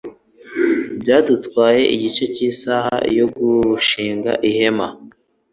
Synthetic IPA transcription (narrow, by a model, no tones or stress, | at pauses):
bɟaːdutkwaːje̞ʔiɟit͡ʃe̞ciːsaha̰jo̞ɡuʃiːŋɡa̰ʔihe̞ma